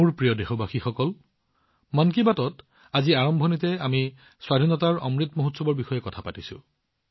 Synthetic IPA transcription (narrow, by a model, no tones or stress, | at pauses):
uɹpɹijɔdexɔbʱaxixɔkɔl | mɔnk̬ibatɔt | aziaɹɔmbʱɔnitɛami | swadʱinɔtaɹɔ̰mɹitmoɦutsɔbɔɹbixɔjɛkɔtʰapatisʊ̰̃